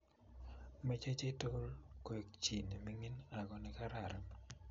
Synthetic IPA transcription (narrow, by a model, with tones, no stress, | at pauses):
me˦t͡ʃe˦t͡ʃe˦to˦lkwe˨k̚t͡ʃi˨ni˨mi˦ŋi˦na˨ɡɔ˨nɪ˦ka˦ɾa˨ɾa˦m